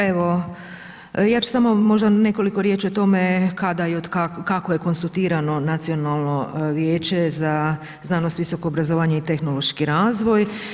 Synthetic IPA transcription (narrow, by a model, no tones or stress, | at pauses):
eʋo̞ | jaːt͡ʃu̥samo̞mo̞ʒd̪ane̞ko̞liko̞ɾje̞ːt͡ʃio̞t̪o̞me̞kad̪ajeod̪kakakoje̞ko̞nsut̪iːɾano̞nat̪sio̞nalˠno̞ʋjeːt͡ɕe̞za | znaːnost̪ʋiso̞ko̞ːbɾazoʋaːɲeit̪e̞xno̞lo̞ʃkiɾaːzʋo̞j